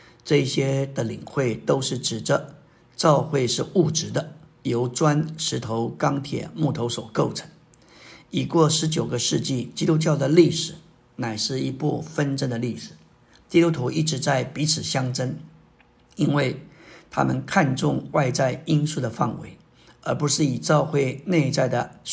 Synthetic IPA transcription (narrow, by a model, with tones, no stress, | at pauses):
ʈ͡ʂɤ˥˧ɕjɛ˥d̪ə˨˩li˨˩ŋxwe˥˩ɪt̪o˥ʊʂɻ̩˥˩ʈ͡ʂɻ̩˨˩ʈ͡ʂə˧˦ | ʈ͡ʂɑ˥˧ʊxwe˥˧ɪʂɻ̩˥˧u˥˩ʈ͡ʂɻ̩˧˥d̪ə˧˨jo˧˥ʊʈ͡ʂwa˥nʂɻ̩˧˥t̪ʰo˧˥ʊkɑ˥ŋt̪ʰjɛ̰˨˩˦mu˥˩t̪ʰo˧˥ʊswɔ˨˩ko˥˩ʊʈ͡ʂʰɤ̥˧˥ŋ | i˨˩kwɔ˥˩ʂɻ̩˧˥t͡ɕjo˨˩ʊɡə˦ʂɻ̩˥˧t͡ɕi˥˩t͡ɕi˥t̪u˥t͡ɕjɑ˥˩ʊd̪ə˩li˥˩ʂɻ̩˨˩ | na˨˩ɪʂɻ̩˥˩i˧˥pu˥˩fə˥nʈ͡ʂə˥nd̪ə˨˧li˥˩ʂɻ̩˨˩˦ | t͡ɕ̪i˥˧t̪u˥t̪ʰu˧˥i˥˩ʈ͡ʂɻ̩˧˥t͡sa˥˩ɪpi˧˥t͡sʰɹ̩˨˩ɕjɑ˥ŋʈ͡ʂə˥n | i˥nwe˥˩ɪt̪ʰa̰˥mə˨nkʰa˥˧nʈ͡ʂʊ˥˧ŋwa˥˧ɪt͡sa˥˩ɪi˥nsu˥˩d̪ə˩fa̰˥˩nwḛ˧˥ɪ | ə˞˧˥pu˧˥ʂɻ̩˥˩i˨˩ʈ͡ʂɑ˥˧ʊxwe˥˧ɪne˥˧ɪt͡sa˥˩ɪd̪ə˩